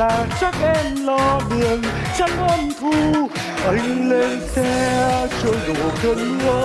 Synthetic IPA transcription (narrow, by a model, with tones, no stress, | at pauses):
aː˨˩t͡ɕa˦˥k̚ʔɛ˧mlɔ˧ɗi˨˩ən | t͡ɕa˦˥k̚ʔɔ˧nku˧˩ | ʔə˧jŋ̟le˧nsʰɛ˧t͡ɕo˧jzo̰˧˨˩kə˧n˦əː˦